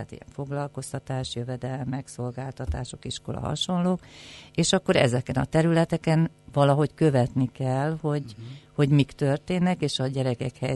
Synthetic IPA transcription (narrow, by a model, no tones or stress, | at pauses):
aːt̪ḭjɛ̰ɱfo̞ɡlɒlko̞st̪ɒt̪aːʃjøvɛd̪ɛlmːɛkso̞lɡaːlt̪ɒt̪aːʃo̞kiʃko̞lɒ̰ɦɒ̰ʃo̞nloːkeːʃɒkːo̞ɾɛ̰zɛkɛnɒ̰t̪ɛɾylɛt̪ɛkɛn | vɒlɒɦo̞ckøvɛt̪nikɛlho̞ɟho̞ɟmikt̪ø̞rt̪eːnːɛkeːʃɒɟɛɾɛkɛkhɛj